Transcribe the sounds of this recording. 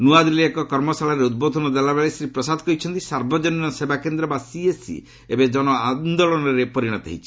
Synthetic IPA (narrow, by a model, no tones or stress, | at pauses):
nuad̪ɾileekɔkɔɾmɔsaɭaɾeud̪̚bod̪ʱɔnɔd̪elabeɭesɾipɾɔsad̪ʱɔkɔit͡ʃʰɔnt̪isaɾbɔd͡ʒɔninɔsebakend̪ɾɔbasiesḭ | ebed͡ʒɔñɔand̪ɔɭɔnɔɾepɔɾiɽ̃ɔt̪a̰ɦit͡ʃʰi̥